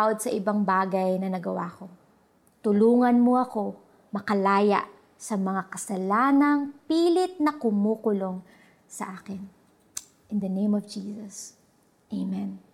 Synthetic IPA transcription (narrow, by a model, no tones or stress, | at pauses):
wod̪̚sɐʔɪbaŋbaːɡɐjnɐnɐɡɐwa̰ːko̞ | t̪ʊluːŋɐnmoɐko̞ | mɐkɐlaːjɐ̰ʔ | sɐmɐŋakɐsɐlaːnɐŋpiːlɪt̪̚nɐkʊmuːkʊlo̞ŋ | sɐʔaːkɪn | ʔɪnd̪ɐnẽjmɔvd͡ʒiːsɐs | ʔejmɛn